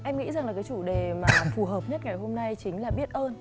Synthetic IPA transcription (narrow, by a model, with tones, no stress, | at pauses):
ʔɛ˧mŋḭ˧˥za˨˩ŋlaː˨˩kaː˨˦jt͡ɕu˧˩ɗe˨˩maː˨˩fu˨˩ɦəː˨˩p̚ɲə˦˥t̚ŋa˨˩jɦo˧mna˧jt͡ɕï˨˦ŋ̟laː˨˩ɓi˦˥ət̚ʔəː˧n